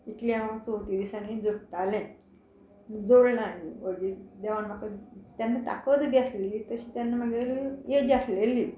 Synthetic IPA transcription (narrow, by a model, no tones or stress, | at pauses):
iʈlijamat͡sot̪iːd̪isanid͡zuʈalɛ̃ | d͡zoɽnaɦiʋəɡid̪eʋaɳmakət̪janːat̪a̰kət̪ɡatʰlit̪əɕiːt̪janːaməɡeɾjeɡaɾʰlelːiː